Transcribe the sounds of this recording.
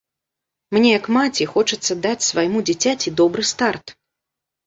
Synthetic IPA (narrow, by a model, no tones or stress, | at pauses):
mnʲɛjɐkmat͡sʲixɔt͡ʂɐt̪sːɐd̪at͡sʲsvajmud͡zʲɛt͡sʲat͡sʲid̪ɔbɾɨst̪art̪